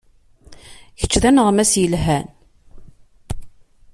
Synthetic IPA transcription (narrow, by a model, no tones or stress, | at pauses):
çə̥t͡ʃːðænəʁmæsjəlɦæn